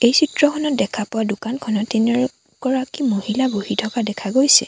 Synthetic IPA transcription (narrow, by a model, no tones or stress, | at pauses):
ejsitɹɔkʰɔnɔt̚dɛkʰapʊwadʊkankʰɔnɔtːenɛɹ | kɔɹakimohilabohitʰɔkadɛkʰaɡojsɛ